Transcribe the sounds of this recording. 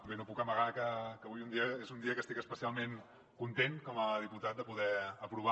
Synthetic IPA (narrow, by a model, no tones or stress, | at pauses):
benopukəməɣakəkəβujund̪iəezund̪iəkəst̪ikəspəsialˠmen | kunt̪enkɔməð̞iput̪at̪̚d̪əpuðɛəpɾuβ̞a